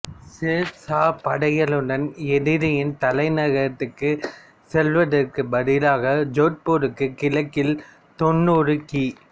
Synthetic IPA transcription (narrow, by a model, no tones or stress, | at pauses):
sesaːpɐɽɐjɐlɯɽɐnɛðɪðɐjɪnt̪ɐlɐɪnɐɣɐɾɐt̪ːɯkːɯ | sɛlʋɐðɐrkɯbɐðɪlaːɣɐd͡ʒoːʈ̚poːɾɯkːɯkɪlɐkːɪl | t̪ɔnːuːɾɯki